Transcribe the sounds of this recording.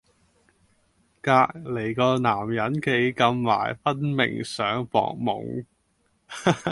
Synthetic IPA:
kaː˧k̚le˨˩jkɔː˧naː˨˩mjɐ˨˥nkʰe˧jkɐ˧mːa̰ː˨˩jfɐ˥nmɪ̰˨˩ŋsœː˨˥ŋpɔ̰ː˧k̚mʊ̰˨˩ŋ

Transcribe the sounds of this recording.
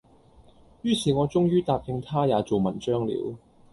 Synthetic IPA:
jyː˥siː˨ŋɔː˨˧t͡sʊ˥ŋjyː˥t̪aː˨˧p̚kɪ˧ŋt̪ʰaː˥jaː˨˧t͡so˨wmɐ˨˩nt͡ʃœː˥ŋlḭː˨˥w

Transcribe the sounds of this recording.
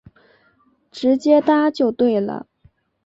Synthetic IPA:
ʈ͡ʂɻ̩˧˥t͡ɕjɛ˥t̪a˥t͡ɕjo˥˧ʊt̪we˥˩ɪlə̰˩

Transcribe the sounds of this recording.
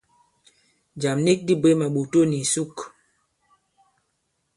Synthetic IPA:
d͡ʒa˨mni˦k̚di˦be˨˦ma˨ɓo˨to˦ni˨su˦k

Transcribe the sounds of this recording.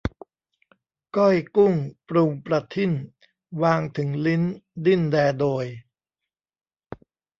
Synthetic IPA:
kɔ˥˩jku˥˩ŋpɾu˧˩ŋpɾa˧˩t̪ʰːi˥˩n | waː˧ŋt̪ʰɯ˩˦ŋli˦˥ndi˥˩ndɛː˧doː˧j

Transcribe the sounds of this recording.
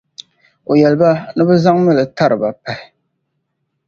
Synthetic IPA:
o˨jɛ˨lɨ˨ba˦nɨ˦bɨ˦za˦ŋmɨ˦lɨ˨ta˦ɾɨ˨ba˨pa˨hɪ˨

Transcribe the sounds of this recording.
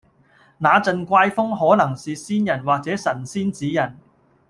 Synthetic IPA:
naː˨˧t͡sɐ˧nkʷaː˧jfʊ˥ŋɦɔː˨˥nɐ˨˩ŋsiː˨siː˥njɐ˨˩nwaː˨k̚t͡sɛː˨˥sɐ˨˩nsiː˥nt͡siː˨˥jɐ˨˩n

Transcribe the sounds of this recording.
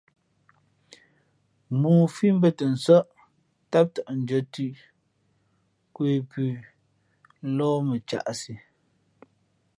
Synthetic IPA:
muː˨fi˦m̩˦bə˦˨tə˨n̩˨sə˦ʔ | ta˦p̚tə˨ʔn̩˨d͡ʒə˨tʉ˦ʔ | kwe˨pʉ˨˦ | lɔː˦mə˨t͡ʃa̰˨ʔsi˨

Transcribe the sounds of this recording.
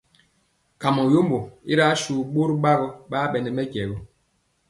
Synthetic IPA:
ka˨mɔ˨jo˦mbo˨i˦ɾa˦ʃu˨ɓo˦ɾɓa˦ɣɔ˦ɓa˦ɓɛ˨nɛ˨mɛ˦kɛ˨ɣɔ˦

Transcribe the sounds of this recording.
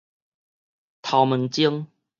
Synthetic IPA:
t̪ʰa˨˧˩wmə˨nt͡ɕi˦əŋ

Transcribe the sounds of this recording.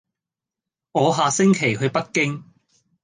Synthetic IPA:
ŋɔː˨˧ɦaː˨˧sɪ˥ŋkʰe˨˩jhɵ˧ɥpɐ˥t̚kɪ˥ŋ

